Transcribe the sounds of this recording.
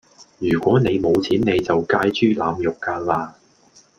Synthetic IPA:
jyː˨˩kʷɔː˨˥ne˨˧jmo˨˧wt͡sʰiː˨˥nne˨˧jt͡sɐ˨wkaː˧jt͡ʃyː˥laː˨˧mjʊ˨kːaː˧laː˧

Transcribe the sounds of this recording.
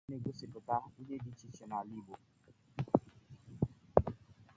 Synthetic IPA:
ne˦˨ɡo˦si˨tʊ˨ta˦o˦ɲe˦di˦t͡ʃi˦t͡ʃɛ˨na˨li˦˨bo˨

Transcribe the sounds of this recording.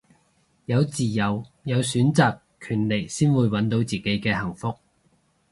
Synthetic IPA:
jɐ˨˧wt͡siː˨˩jɐ˨wjɐ˨˧wsyː˨˥nt͡saː˨kʰːyː˨˩nle˨˩jsiː˥nwuː˨˧jwɐ˨˥nt̪o˨˥wt͡siː˨ke˨˥jkɛː˧hɐ˨˩ŋfʊ˧k̚

